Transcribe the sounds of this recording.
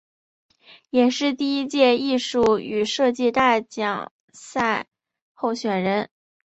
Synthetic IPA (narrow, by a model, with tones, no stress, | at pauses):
jɛ˨˩ʂɻ̩˥˧t̪i˥˧i˥t͡ɕjɛ˥˧i˥˧ʂu˥˩y˨˩ʂɤ˥˧t͡ɕi˥˧t̪a˥˩ɪt͡ɕjɑ˨˩ŋ | sa˥˧ɪ | xo˥˩ʊɕɥɛ˨˩nɻə˧˥n